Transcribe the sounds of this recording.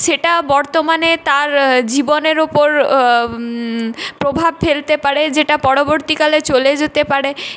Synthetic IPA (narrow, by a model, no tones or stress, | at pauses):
ʃeʈabɔɾt̪omanet̪aɾd͡ʑiboneɾopoɾ | pɾobʱab̚felt̪epaɾed͡ʑeʈapɔɽoboɾt̪ikalet͡ɕoled͡ʑet̪epaɾe